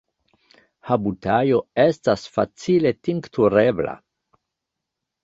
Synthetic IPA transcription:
habutajo̞estasfa̰t͡siletiŋktʰuɾebla̰

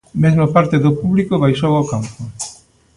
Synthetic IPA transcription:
mezmopaɾt̪eðopuβlikoβajʃowaʊkampo

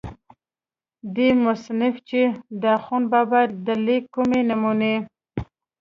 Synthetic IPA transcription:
d̪emʊsnɪft͡ʃed̪axunbabad̪əlekːumenamune

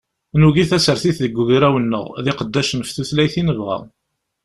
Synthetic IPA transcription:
nuʝiθæsəɾθiθðəɡːuʝɾæwənːə̰ʁðɪqəd̪ːæʃənfθuθlæjθinəvʁæ̰

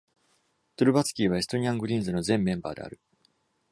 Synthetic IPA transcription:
t̪oɾɯ̟bat͡sɨ̥kʲiːβ̞ae̞sɨ̥t̪o̞ɲ̟iãŋɡɯ̟ɾʲĩnzɨno̞zẽ̞mːẽ̞mba̰ːd̪e̞̰a̰ɾɯ̟

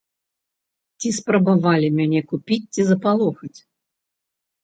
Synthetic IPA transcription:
t͡sʲispɾɐbavalʲimʲanʲɛkupʲit͡sʲt͡sːʲizɐpalˠɔxɐt͡sʲ

